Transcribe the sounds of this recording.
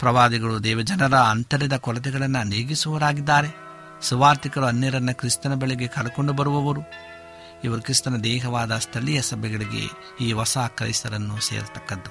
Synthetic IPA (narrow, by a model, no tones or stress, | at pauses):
pɾɐʋaːd̪iɡɐɭud̪ɛːʋɐd͡ʒɐnɐɾɐːnt̪ɐɾid̪ɐkɔɾɐt̪ɛɡɐɭɐnːɐneːɡisuʋɐɾaːɡid̪ːaːɾe̞ | suʋaːɾt̪ikɐɾuɐnːɛɾɐnːɐkɾist̪ɐnɐbɛɭeɡe̞kɐɭɐkoɳɖubɐɾuʋɐʋɐɾu | iʋɐɾukɾist̪ɐnɐd̪ɛːɦɐʋaːd̪ɐst̪ʰɐɭijɐsɐbʱɛɡɐɭiɡe̞̰ | iːʋɐsaːkɾɐ̰isɐɾɐnːusḛːɾut̪ɐkːɐd̪ːu